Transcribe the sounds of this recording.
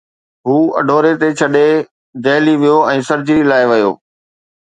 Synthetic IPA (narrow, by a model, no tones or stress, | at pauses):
ɦuːɐ̰ɖʱoːɾet̪et͡ɕʰɐɗe | d͡ʑɐːliʋijoɛ̃ːsɐɾd͡ʑilaːeʋɐjo̰ː